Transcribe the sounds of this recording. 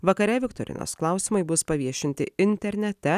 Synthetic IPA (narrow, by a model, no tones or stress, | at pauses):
ʋɐkɐɾʲɛʋʲɪkt̪o̰ɾʲɪ̰nʲo̰sklˠɑˑʊsʲɪmɐɪbʊspɐʋʲiɛʃʲɪnʲt̪ʲɪɪnʲt̪ʲɛɾʲnʲɛt̪ʲɛ